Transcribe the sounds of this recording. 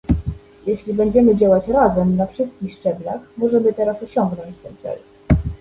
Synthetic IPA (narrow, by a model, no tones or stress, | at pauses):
jeɕlʲibɛɲd͡ʑɛmɘd͡ʑawat͡ɕɾazɛmnafʂɘst̪̚kʲixʂt͡ʂɛblaxmɔʐɛmɘt̪ɛɾasɔɕɔŋɡnɔɲt͡ɕt̪ɛnt̪sɛ̰l